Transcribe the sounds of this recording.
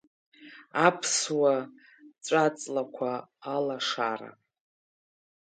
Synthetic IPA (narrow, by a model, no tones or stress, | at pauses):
apʰswa | t͡ʃʷʼat͡sʼlakʷʰaːlaʂaɾa̰